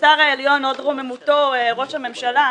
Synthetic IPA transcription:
saʁaeljo̞nodʁomemutoʁo̞ʃhame̞mʃala

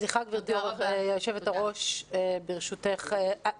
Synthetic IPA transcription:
ziχakviʁt̪uovjaʃevetaʁo̞ʃebeʁʃuteχa

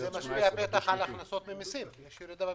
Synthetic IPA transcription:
zemaʃpiapet̪aχalaχnaso̞t̪memisimjeʃjiɾid̪aba

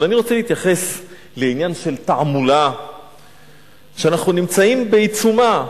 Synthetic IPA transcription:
aniʁo̞t͡seliːt̪jaχe̞s | le̞injanʃe̞lt̪aʕmula | ʃeanaχnunimt͡saimbeit͡suma

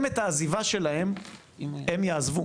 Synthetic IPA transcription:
metaːzivaʃe̞lahem | emjaːzvu

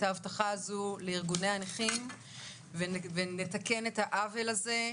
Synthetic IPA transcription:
taːvt̪aχaazuleiʁɡune̞janiχim | vevenet̪ake̞net̪haʔavelaze̞

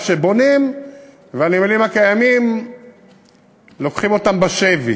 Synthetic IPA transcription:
ʃebo̞nim | veanimalimhakajamim | lo̞kχimo̞t̪ambaʃevi

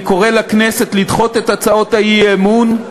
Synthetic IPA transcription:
ko̞ʁelakneset̪lid̪χo̞t̪et̪at͡sao̞t̪ajiemun

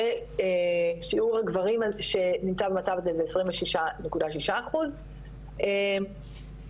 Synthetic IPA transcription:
eeʃiuʁhaɡvaʁimaʃe̞nimt͡sabemat͡savazezeesʁimveʃiʃanekudaʃiʃaːχuz | em

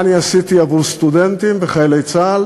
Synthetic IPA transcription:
niasit̪iavuʁst̪ud̪ent̪imveχajelejt͡sal

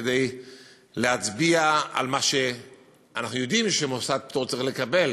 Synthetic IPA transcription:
d̪ej | leat͡sbiaa̰lmaʃe̞ | anaχnujo̞d̪imʃemosad̚pit̪oʁt͡saʁiχlekabe̞l

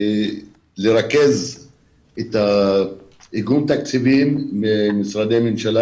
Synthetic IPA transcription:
leʁake̞z | et̪a | iɡunt̪ak̚t͡sivimemisʁad̪emenʃala

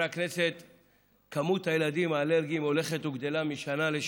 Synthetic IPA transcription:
akne̞se̞t̪ | kamut̪hajelad̪imaːleʁɡimo̞le̞χet̪uɡd̪e̞lamiʃanaleʃ

